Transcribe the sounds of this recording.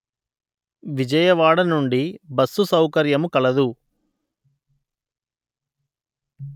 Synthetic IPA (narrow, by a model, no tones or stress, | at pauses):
ʋid͡ʒɐjɐʋaːɽɐnuɳɖibɐsːusɐwkɐɾjɐmukɐlɐd̪u